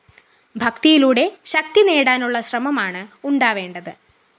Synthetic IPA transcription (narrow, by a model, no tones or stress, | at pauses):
bʱɐkt̪ijiluːɽe̞ɕɐk̚t̪ine̞ːɽaːnuɭːɐɕrɐmɐmaːɳɨuɳɖaːʋe̞ːɳɖɐðɨ